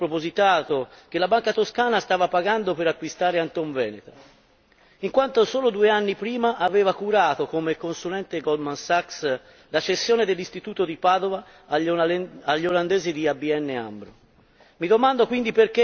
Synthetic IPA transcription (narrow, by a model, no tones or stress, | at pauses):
pɾopozit̪aːt̪ok̟elabaŋkat̪oskaːnast̪aːvapaɡand̪opeɾakːwist̪aːɾeant̪oɱvɛːnet̪a | iŋkwant̪osoːlod̪ueanːipɾiːmaʔaveːvakuɾaːt̪okomekːonsulɛnt̪eɡɔlmansaks | lat͡ʃesːjoːned̪elːist̪it̪uːt̪od̪ipaːd̪ova | aʎːoland̪ɛːzid̪iabiɛnːea̰mbɾo | mid̪omand̪okwind̪iperke